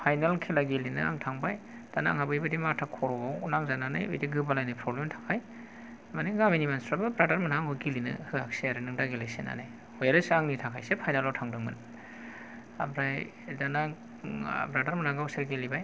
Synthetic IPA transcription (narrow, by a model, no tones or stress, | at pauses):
pʰajnalkʰilaɡelinɯa̰ŋtʰaŋbaj | d̥ana̰ŋhabɯjbadimatʰakʰɔɾɔbawnaŋzanana̰jo̰jdiɡɯbalajnajpʰɾɔblemtʰḁkʰaj | maniɡaminimansɾababɾadaɾmanaaŋɦɔɡilinɯ̰hɯhakseaɾɯnɯŋdaɡilejsena̰naj | ɔjaɾɯsɯaŋnitʰakʰajsepʰajnalawtʰaŋdɯŋmɯ̰n | abɾaj | danaŋ | bɾadaɾmanaɡawseɾɡelibaj